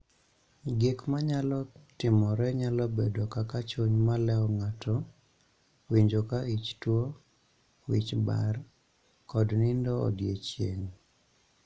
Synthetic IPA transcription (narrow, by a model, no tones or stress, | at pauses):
ɡɪkmaɲalɔtɪmɔɾɛɲalɔbedɔkakat͡ʃoɲmalɛɔŋatʰɔ | wiɲd͡ʒokait͡ʃtwo | wit͡ʃba̰r | kɔdnɪndɔɔ̰djet͡ʃjḛŋ